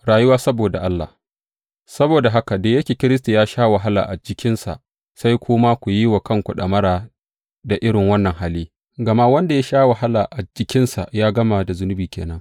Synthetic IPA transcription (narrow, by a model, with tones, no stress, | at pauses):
ɽaː˨ju˦waː˦sɐ˦boː˨da˨ʔa˦lːa̰˨ | sɐ˦boː˨da˨ɦa˦ka˨deː˨jɐ˦kʲeː˨kʲɪ˦ɾɪ˦s̬ta˨jaː˦ʃaː˦wɐ˨ɦa˦la̰˨ʔa˨d͡ʒɪ˦kʲɪ˦nsa̰˨ʔ | sa˦jkʷʰʊː˦ma˦kʷu˨ji˦wa˨kɐ˦ŋkʷu˨ɗɐ˨mɐ˦ɽaː˨ | da˨ʔɪ˦ɽɪ˨ŋwɐ˦nːɐ˨ŋɦaː˦liː˦ | ɡɐ˨ma˦wɐ˦nda˨ja˦ʃaː˦wɐ˨ɦa˦laː˨ʔa˨d͡ʒɪ˦kʲɪ˦nsa̰˨ʔjaː˦ɡɐ˦ma˨da˨zʊ˦nʊ˦biː˨kʲʰḛː˨nɐ˦ŋ